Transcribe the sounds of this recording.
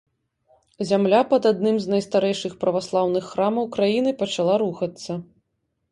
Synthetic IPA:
zʲamlʲapɐd̪ad̪̚nɨmznɐjst̪aɾɛjʂɨxpɾɐvaslˠawnɨxːɾamɐwkɾajinɨpɐt͡ʂalˠaɾuxɐt̪sːɐ

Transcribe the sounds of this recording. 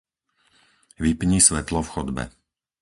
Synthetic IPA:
ʋipɲiːsʋɛt̪lɔfxɔd̪bɛ̰

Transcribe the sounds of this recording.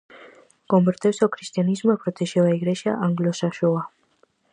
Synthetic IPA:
ɡ̥ɔmbɾd̪ʰɛwsɔkʰɾist̪ʼianizmɔapʰɾɔt̪ʰɛʃɛvaiɡɾɛʃa̰ʔaŋɡlɔsaʃɔa

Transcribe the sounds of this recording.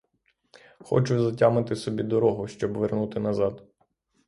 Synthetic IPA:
xɔ̰t͡ʃʊzɐtʲamɪt̪ɪsɔbʲid̪ɔɾɔɦʊʃt͡ʃɔbʋernut̪ɪnɐzɑd̪

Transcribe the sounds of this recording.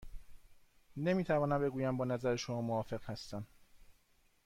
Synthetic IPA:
ne̞miːt̪ʰævɒːnæmbe̞ɡuːjæmbɒːnæzæɾeʃomɒːmoɒːfe̞ɣ̥hæst̪æm

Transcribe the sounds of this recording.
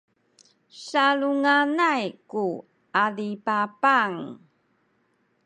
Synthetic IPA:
saluŋanajku | alipapaŋ

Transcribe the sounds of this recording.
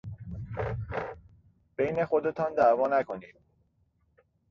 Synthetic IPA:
b̥e̞jne̞xo̞d̪e̞t̪ʰɒːnd̪ævɒːnækʰo̞niːd̪̥̚

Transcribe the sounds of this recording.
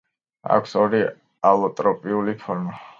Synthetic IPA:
a̰kʷʰsɔɾi | alˠɔt̪ʼɾɔpʼiulipʰɔɾma

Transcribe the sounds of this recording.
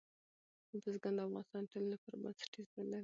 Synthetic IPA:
d̪əzɡand̪əafɣɑ̰nɪst̪ɑnʈolilapəɾba̰nsɪ̥ʈizmalaɾi

